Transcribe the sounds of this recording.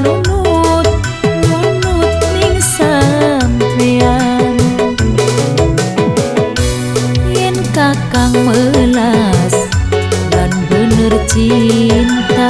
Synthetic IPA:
lunut̪̚ | munut̪̚niŋsanpean | jɛnkakaŋməlas | lanbənərt͡ʃint̪a

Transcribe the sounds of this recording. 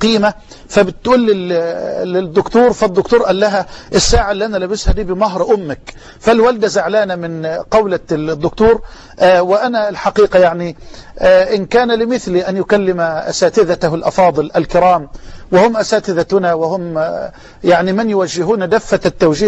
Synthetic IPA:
qiːma | fabɪt̪ːʔuːlːɪ | ɪd̪ːʊkt̪uːɾfad̪ːʊkt̪uːɾˤʔalːaɦaʔɪsːaːʕaʔɪlːiːʔanalaːbɪshad̪iːbɪmaɦɾˤʔʊmːɪk | falwald̪azaʕlaːnamɪnqɑwlad̪ːʊkt̪uːɾ | ʔwɪʔanaɪlħɑqiːqɑjaʕni | ʔɪnkaːnalɪmɪθliʔanjʊkalːɪmaʔa̰saːt̪ɪðat̪halʔɑ̰fɑːd̪ˤɨlʔalkɪɾɑːmwɪhʊmʔasaːt̪ɪðahʊnawɪhʊm | jaʕnimɪnjʊwaʒːɪɦuːnd̪afːat̪ːawd͡ʒiː

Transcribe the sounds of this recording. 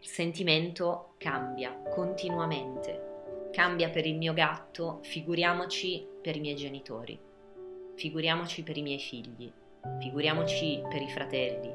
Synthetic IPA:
ilsent̪iment̪o | kambjakont̪inuament̪ekambjapeɾilmiːoɡat̪ːofiɡuɾjaːmot͡ʃipeɾimjɛjd͡ʒenit̪o̰ːɾḭ | fiɡuɾjaːmot͡ʃipeɾimjɛjfiʎːḭ | fiɡuɾjaːmot͡ʃipeɾifɾat̪ɛlːḭ

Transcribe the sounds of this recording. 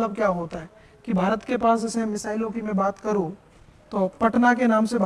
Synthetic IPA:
ləb̚kjaːɦoːt̪aɦɛ | kibʱaːɾət̪kepaːsd͡ʒɛsemɪsaːɪlõkimẽbaːt̪kɐɾũ | t̪oːpɐʈnakenaːmsebʱ

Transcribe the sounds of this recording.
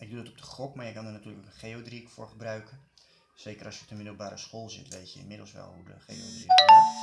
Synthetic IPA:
ɪɡ̚dudɔtɔp̚dəχɔkmaːɹjəkɑndənatyːləkokənχeːodrikfʊ̰ːrχəbrœɥkə | seːkərɑsjə̥p̚dəmɪdəl̩ˠbaːɾəsxolˠzɪ̰tʋejtjə̰ɪ̰nmɪdəl̩ˠsʋɛ̰lˠhudə̰χḛːo̰drik

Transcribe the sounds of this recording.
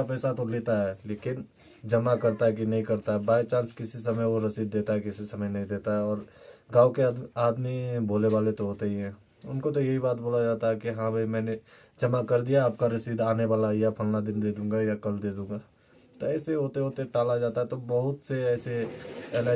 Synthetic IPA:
apɛːsat̪oleːt̪aɦɛleːkɪn | d͡ʒɐmakɐɾt̪aɦɛk̬inɐɦĩkɐɾt̪aɦɛbaːɪt͡ʃãːnskɪsisɐməjʋoɾɐsiːd̪̚ːeːt̪aɦɛkɪsisɐməjnɐɦĩd̪eːt̪aɦɛɔːɾɡãːokeaːd̪miboːleʋaːlet̪oɦoːt̪eɦiɦɛ̃ː | ʊnkot̪̬ojɐɦibaːt̪̚boːlad͡ʒaːt̪aɦɛkiɦãpemɛ̃ːne | d͡ʒɐmakɐɾd̪ijaaːp̚kaɾɐsiːd̪aːneʋaːlajapʰɐlnad̪ɪnd̪eːd̪ũːŋɡajakɐld̪eːd̪ũːŋɡa | t̪oɛːseɦoːt̪eɦoːt̪eʈaːlad͡ʒaːt̪aɦɛt̪obɐɦʊt̪seɛːseɛːlaː

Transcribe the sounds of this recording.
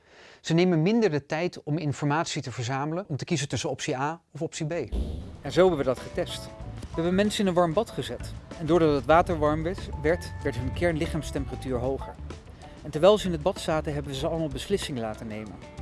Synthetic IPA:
z̥ənejmənmɪndəɹdətɛjtɔmɪnfɔɹmaːtsitəvəɹzaːmələnɔmtəkizəntɵsənɔpsiaːɔfɔpsibejɛnzowbɛʋədɑtχətɛstʋəɦɛbəmɛnsənɪnənʋɑɹmbɑtχəzɛtɛndʊːɹdɑtɦətʋaːtəɹʋɑɹmʋɛtʋɛɹtʋɛɹtɦɵnkɛɹnlɪχaːmstɛmpəratyːɹɦowχə̰ɹ | ɛntɛɹʋɛjlˠzəɪnɦəd̚bɑtsaːtəɦɛbənʋəzəɑləmaːlˠbəslɪsɪŋəlaːtənejmə̰n

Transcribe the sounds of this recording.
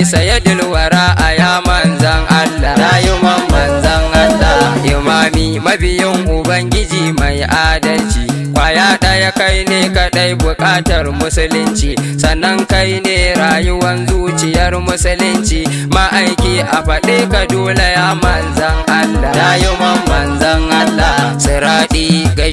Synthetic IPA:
sɐjɐdʊlwɐɾaːʔajaːmɐnzɐŋʔalːaːnaːjʊmɐmːɐnzɐŋʔalːaːʔɪmaːmiːmɐbɪjɪŋʔʊbɐŋɡʲɪd͡ʒiːmajʔaːdɐlt͡ʃiː | kʷajaːɗajakajneːkaɗajbʊkʼaːtɐrmʊsʊlʊnt͡ʃiːsɐnːɐŋkajneːɾaːjʊwɐnzuːt͡ʃɪjɐrmʊsʊlʊnt͡ʃiː | maʔajkʲiːʔaɸɐɗeːkadoːlejaːmɐnzɐŋʔalːaːnajʊmɐmːɐnzɐŋʔalːasʼʊɾaːɗiːɡɐ

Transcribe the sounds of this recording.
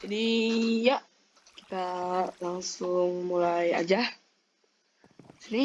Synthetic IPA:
d͡ʒadijaʔ | ki̥t̪alaŋsʊŋmulaja̰d͡ʒah | səni

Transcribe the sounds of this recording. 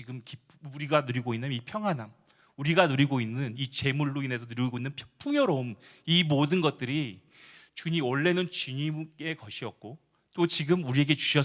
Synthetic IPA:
t͡ɕiɡɯmkipuɾiɡanɯɾiɡoinːɯnipʰjʌŋɦanaŋ | uɾiɡanɯɾiɡoinːɯnit͡ɕe̞muɭːuine̞sʰʌnɯɾiɡoinːɯnpʰpʰuŋjʌɾoumimodɯnɡʌt̚t͈ɯɾi | t͡ɕuɲiʌɭːe̞nɯnt͡ɕiɲime̞kʌɕʰiʌk̚k͈o | t͈ot͡ɕiɡɯmuɾie̞ɡe̞t͡ɕu̥ɕʰʌ

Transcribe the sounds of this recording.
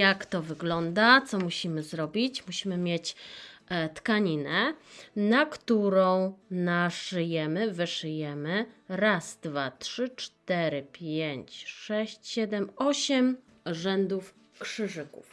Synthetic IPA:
jakt̪ɔvɘɡlɔnd̪at̪sɔmuɕimɘzɾɔbʲit͡ɕmuɕimɘmʲjet͡ɕ | t̪kaɲinɛnakt̪uɾɔ̃w̃naʂɘjɛmɘvɘʂɘjɛmɘɾasd̪vatʂɘt͡ʂt̪ɛɾɘpʲjeɲt͡ɕʂɛɕt͡ɕɕɛd̪ɛmɔɕɛm | ʐɛnd̪uf | kʂɘʐɘkṵf

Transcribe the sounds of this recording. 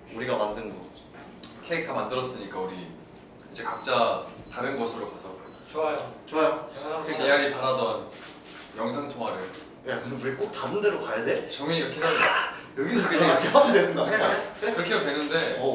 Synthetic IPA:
uɾiɡamandɯnnɡʌd͡ʑo | kʰeek̚tʰamandɯɾʌs͈ɯɲik͈auɾi | id͡ʑe̞kak̚t͡ɕ͈ataɾjɯnɡʌsʰɯɾokasʰʌb | oajot͡ɕoajot͡ɕejaɾipaɾadʌn | jʌŋsʰaŋtʰoŋɦaɾɯɭ | kɯɯuɾik͈ok̚tanɯnde̞ɾokajadet͡ɕʌmiʌkʰinajʌɡisʰʌkɯeamidwenɯndakɯɾʌkʰeotwenːɯnde̞

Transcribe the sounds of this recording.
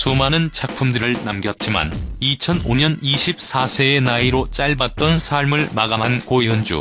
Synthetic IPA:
sumanɯnt͡ɕʰak̚pʰumdɯɾɯɭnamɡjʌt̚t͡ɕ͈ima̰nit͡ɕʰʌnoɲʌniɕʰip̚s͈ʰasʰe̞ːnaiɾot͡ɕ͈aɭbat̚t͈ʌnsʰaɭmɯɭmaɡamɦankoiɯnd͡ʑṵ

